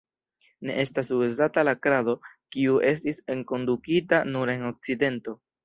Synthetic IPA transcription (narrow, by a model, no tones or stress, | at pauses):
ne̞̰ʔe̞stasuezatalakɾado̞kiuʔe̞stise̞ŋko̞ndukitanuɾe̞no̞k̚t͡side̞nto̞